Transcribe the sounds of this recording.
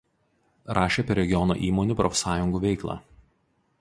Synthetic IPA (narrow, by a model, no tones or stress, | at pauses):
ɾɑːʃʲeːpʲɛɾʲɛɡʲɪjɔno̰ːʔiːmɔnʲuːpɾɔfʲsɑːjʊŋɡuːʋʲɛɪklˠɑ̰ː